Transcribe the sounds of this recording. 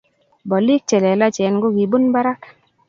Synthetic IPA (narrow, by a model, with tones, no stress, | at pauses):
bɔ˨li˦k̚t͡ʃɛ˨lɛ˨la˦t͡ʃɛ˨˦nɡo˦ɡi˨bu˦nba˦ɾa˦k